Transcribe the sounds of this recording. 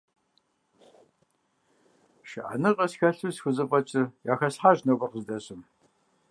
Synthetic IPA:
ʃɪʔa̰nɨqʼɐsxɐɬusxʷʊzɨpʼɐt͡ʃʼɪjaːxɐsħaːʒnowpʼɐrqəzdɐɕɨm

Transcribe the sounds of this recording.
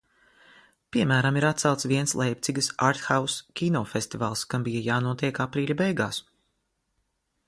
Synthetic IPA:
pʲiɛmæːɾamiɾat̪t̪salˠt̪sviɛnslˠɛjp̚t̪iɡɐsaɾt̪xawskʲinɔfest̪iva̰ːlˠskambijajaːnuɔt̪iɛkapɾiːlʲabɛjɡaːs

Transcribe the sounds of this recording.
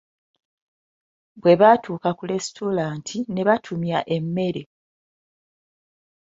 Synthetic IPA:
bwe̞βaːtʰuːkakule̞stʰolaːntʰine̞βatʰumjaʔe̞mːe̞ɾe̞

